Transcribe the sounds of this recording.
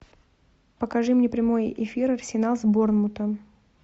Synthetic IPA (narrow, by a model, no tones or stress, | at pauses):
pəkɐʐɨmnʲepɾʲɪmo̞jɪ̰fʲiɾɐrsʲɪnalˠzbornmʊt̪ə